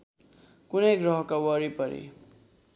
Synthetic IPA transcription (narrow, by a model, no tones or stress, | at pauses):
kunejɡɾʌɦkawʌɾipʌɾḭ